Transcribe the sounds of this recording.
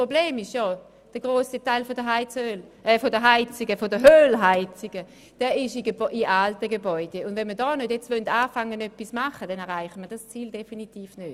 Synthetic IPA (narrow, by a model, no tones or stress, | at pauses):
pʁobleːmɪʃjɔ | d̥əɡ̥ʁoːsitaɪlfodəɦaɪt͡søːlʔɛfodəɦaɪt͡sɪɡəfodəɦøːlɦaɪt͡sɪɡ̥ə | d̥ɛːɪʃɪʔɪʔaltəɡebɔʏd̥eʊndvɛnmədɔːnødjɛt͡stvœntaːfaŋənœpːismaχəd̥ɛnɛʁaɪχtmədast͡siːldefinitiːfnøːd̥